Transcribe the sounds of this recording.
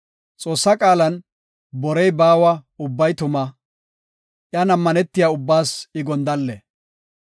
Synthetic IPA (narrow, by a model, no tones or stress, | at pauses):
t͡sʼo̞ːsːɐkʼaːlɐn | bɔɾɛjbaːwɐʊbːɐjt̪ʊmɐ | ʔjɐnɐmːɐnɛt̪ːɪjaʊbːaːsɪɡɔnd̪ɐlːɛ